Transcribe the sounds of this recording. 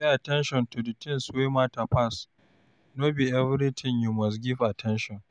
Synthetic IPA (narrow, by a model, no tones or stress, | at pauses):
eʔatɛnʃɔntudɛtʰɪ̃nswemaːtapas | nobiʔɛvɪɾɪtʰɪnjumɐs̬ɡʲɪvʔatʰɛnʃɔn